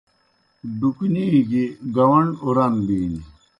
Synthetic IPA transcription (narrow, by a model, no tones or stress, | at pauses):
ɖukniːɡiɡɐwɐɳuɾɐnbiːni